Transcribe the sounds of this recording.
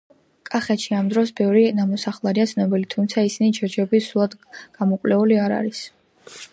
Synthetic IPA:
kʼaχɛt̪ʃiamd̪ɾɔsbɛvɾinamɔsaχlˠaɾiat̪sʰnɔbilit̪ʰumt̪sʰaisinid͡ʒɛɾd͡ʒɛbisɾulˠad̪ɡ̥amɔkʼlɛuliaɾa̰ɾis

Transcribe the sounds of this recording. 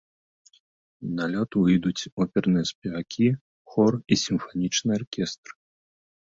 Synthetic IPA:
nalʲɔt̪uɨjd̪ut͡sʲɔpʲɛrnɨjɐspʲɛvakʲʰi | xɔrisʲimfanʲit͡ʂnɨjarkʲɛst̪r

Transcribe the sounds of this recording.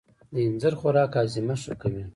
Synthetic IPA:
d̪əinzəɾxoɾɑːkɑːzimaʂukawi

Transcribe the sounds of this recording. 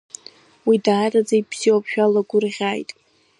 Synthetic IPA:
widaːrad͡zaibz̥iwapʰʃᶣalaɡʷʊrʁʲaːjtʼ

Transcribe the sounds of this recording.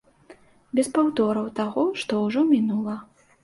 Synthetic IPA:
bʲɛspawd̪ɔɾɐwt̪aɣɔʂt̪ɔuʐɔmʲinulˠɐ

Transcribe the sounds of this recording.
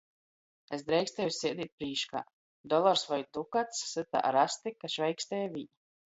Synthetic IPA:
esd̪ɾɛjkst̪ɛjusʲiɛd̪iːt̪̚pɾiːʃka̰ː | d̪ɔlˠaɾsvajd̪ukat̪sːɨt̪a̰ʔa̰ɾast̪ikaʃvɛjkst̪ɛjvʲi

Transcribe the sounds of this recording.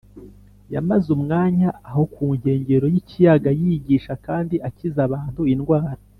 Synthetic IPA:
jamazumŋaːɲaːɦo̞kuːɲhe̞ːɲɟe̞ɾo̞jicijaɡajiɟiːʃakaːndiʔacizaβaːn̥huinɡwaːɾa

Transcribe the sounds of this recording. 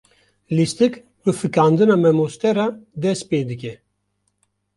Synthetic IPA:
list̪ɨk | bɨfɨkaːnd̪ɨnamɛmost̪ɛɾad̪ɛspeːd̪ɨkʲɛ

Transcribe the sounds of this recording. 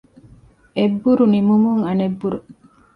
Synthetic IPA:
ebːuɾunimumuŋɐnebːuɾu

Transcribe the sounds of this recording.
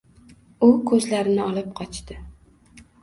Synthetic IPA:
ʊkʰɵzlaɾɪnɪɒlˠɪp̚qʰɒt͡ʃt̪ɪ

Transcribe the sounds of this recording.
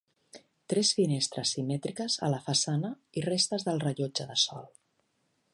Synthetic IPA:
t̪ɾɛsfinest̪ɾə̰sːimɛt̪ɾikəzə̰ləfəsanə | irest̪əzðəlˠrəʎod͡ʒəðəsɔlˠ

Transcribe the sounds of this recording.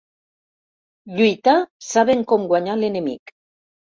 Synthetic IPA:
ʎujt̪asaβeŋkomɡwaɲalenemḭk

